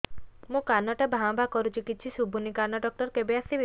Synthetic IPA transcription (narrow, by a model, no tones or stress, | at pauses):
mũkanɔʈabʱãw̃bakɔɾut͡ʃikit̪ːt͡ʃʰisubʱunikanɔɖɔk̚ʈɔɾkebeast̪ib